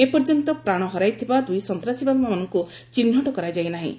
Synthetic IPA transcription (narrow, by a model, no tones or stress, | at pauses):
epɔɾd͡ʒɔnt̪ɔpɾaɽ̃ɔɦɔɾajt̪ʰibad̪ujsɔnt̪ɾasibabmamɔnɔŋku | t͡ʃinːɔʈɔkɔɾad͡ʒajnaɦḭ̃